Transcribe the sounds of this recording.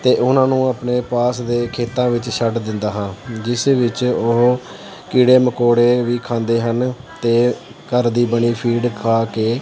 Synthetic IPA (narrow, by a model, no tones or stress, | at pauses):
t̪eːʔʊnãːnũːaːpneːpaːsd̪eːkʰeːt̪ãːʋɪt͡ʃʃʰəʈd̪ɪ̃nd̪aːɦãːd͡ʒɪseːʋɪt͡ʃʊɦ | kiːɽeːməkoːɽeːʋiːkʰãːnd̪eːɦənt̪eː | kəɾd̪iːbəɳiːpʰiːɖkʰaːkeː